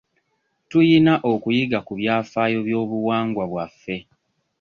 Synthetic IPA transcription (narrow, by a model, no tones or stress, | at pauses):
tujinaʔokujiɡakuβjaːfaːjo̞βjo̞ːβuwaːŋɡwaβwafːe̞